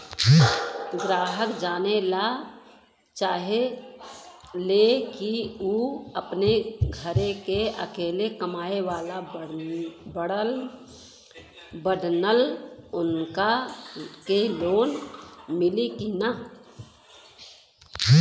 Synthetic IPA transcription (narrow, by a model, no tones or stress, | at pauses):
ɡɾaːɦəkd͡ʒaːnela | t͡ʃaːɦe | lekiuːəpneɡʱəɾẽkeə̰keːlekəmaːewaːla | bəɽəl | bəɖnəlʊnka | keloːnmɪlikina